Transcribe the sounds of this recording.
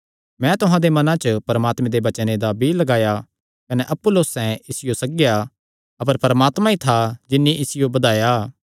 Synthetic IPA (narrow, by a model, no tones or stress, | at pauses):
mɛ̃t̪ʊɦãd̪emɐnãt͡ʃəpɐɾɐmaːt̪mẽd̪ebɐt͡ʃəned̪abʱilɐɡaːja | kɐneʔɐpːʊlːoːsɛ̃ɪsɪjosɐɡja | ɐpəɾpɐɾɐmaːt̪mãit̪ʰad͡ʒɪnːiʔɪsɪjobɐd̪aːja